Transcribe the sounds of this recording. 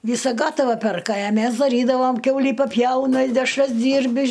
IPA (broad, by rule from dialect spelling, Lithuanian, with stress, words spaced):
ˈʋʲiːsɐ ˈɡɑːtɐʋɐ ˈpʲɛrkɐ ɐ ˈmʲɛs dɐˈrʲiːdɐʋɐm ˈkʲɛʊlʲiː pɐˈpʲjɛʊnɐ ɪ dʲɛʃˈrɐs ˈdʲiːrʲbʲɪ